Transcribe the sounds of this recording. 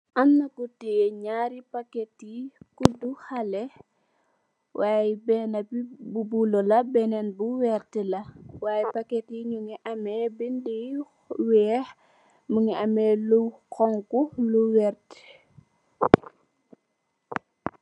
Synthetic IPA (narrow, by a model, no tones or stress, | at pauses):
ʔamːɐkutɛɲaːɾipakɛtikuduxalɛ | waːjibɛːnɐbibubulɔlɐbɛnɛnbuwɛrtɛlɐwaːjipakɛtiɲuŋiʔɐmɛbindi | wɛːh | muŋiɐmɛlukɔŋkuluwɛrt